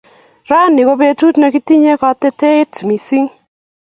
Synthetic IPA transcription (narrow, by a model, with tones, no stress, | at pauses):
ɾa˦nɪ˨ko˦be˦tu˦tna˨ki˦ti˦ɲe˦kɔ˨te˦te˦ɪ˦tmi˨si˦ŋ